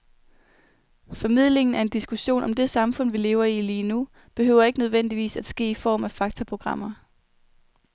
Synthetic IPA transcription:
fɒ̽mið̞̰ˠle̝ŋn̩æɐe̝nd̥isɡ̥uɕo̝̰ːnʔɒ̽md̥e̝sɑ̈mfɔ̽n̰ʋile̝ːʊɐiliːnu | b̥e̝ɦøʊ̰ɐe̝ɡ̥ənøð̞ˠʋen̰d̥iʋḭːsæd̥sɡ̥e̝̰ːifɒ̰ːmæfɑ̈ɡ̥t͡sʰɐpʰʁo̝ɡ̥ʁɑ̈m̰ɐ

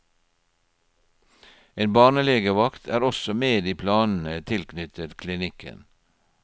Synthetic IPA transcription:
eːnbɑːɳəleːɡəʋɑkt̪ʰæːɾɔsɔmeːd̪iːpʰlɑːnn̩ət̪ʰɪlkʰnʏt̪ʰət̪kʰlɪnɪkʰə̰n

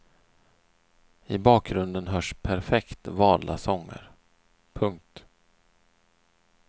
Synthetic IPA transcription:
ɪbɑːk̚ɾɵnd̪ənɦœːʂpʰæɾfɛkt̪vɑːd̪la̰sɔŋːə̰ɾ | pʰɵŋk̚t̪

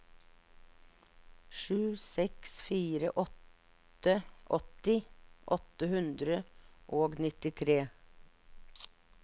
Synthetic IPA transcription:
ʃʉːsɛksfiːɾə̰ʔɔt̪ | əʔɔt̪ɪʔɔt̪əhʉnd̪ɾəʔoːɡnɪt̪ɪt̪ʰɾeː

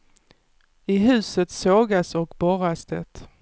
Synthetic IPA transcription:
ɪɦʉ̟ːsət̪soːɡasɔkbɔɾasd̪ə̰t̪

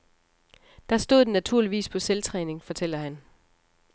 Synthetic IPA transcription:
d̥ɑ̈sd̥o̝ð̰ˠnæt͡sʰuɐ̰liʋḭːspʰɒ̽selt͡sʰʁɛːne̝ŋfɒ̽t͡sʰel̰ɐhæn

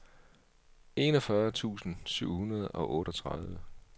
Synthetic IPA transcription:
e̝nɒ̽fɶɐt͡sʰṵːsn̩syʊ̰hunɐð̞ˠʔɒ̽ʔɔ̽ːɾɒt͡sʰʁɑð̞ˠʋə

